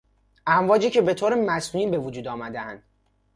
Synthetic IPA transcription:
ʔæmvɒːd͡ʒiːcʰe̞be̞t̪ʰoːɾemæsnuniːnbe̞vod͡ʒuːd̪ɒːmæd̪eænd̪̥

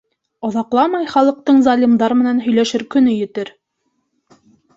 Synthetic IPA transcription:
ŏðɑqlˠɑmɑjχɑlˠɤ̆q̚t̪ɤɴzɑlʲimd̪ɑɾmɘ̆nænɦɵ̆jlæʃɘɾkɵ̆nɵjɘ̆t̪ɘɾ

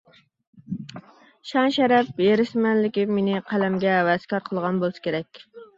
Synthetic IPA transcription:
ʃɑŋʃɛɾɛp̚jeɾɪʃmɛnlɪkʲimenɪqʰælɛmɡʲɛːwɛz̥kʲɑɾqʰəlˠʁɑnbolˠɨsɪ̥kʲʰeɾɛkʲ

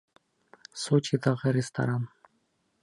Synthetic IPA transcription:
sot͡ʃid̪ɑʁɨɾʲɪst̪a̰ɾan

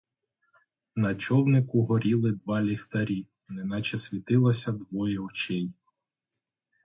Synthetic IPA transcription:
nɐt͡ʃɔwnɪkʊɦɔɾʲilˠɪd̪ʋɑlʲixt̪ɐɾʲi | nɛnat͡ʃɛsʲʋʲit̪ɪlˠɐsʲɐd̪ʋɔjɛɔt͡ʃɪj

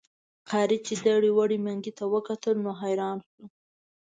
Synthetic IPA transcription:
qʰɑɾit͡ʃed̪aɽiwaɽimaŋɡit̪awəkat̪əlnoɦajɾɑnxə

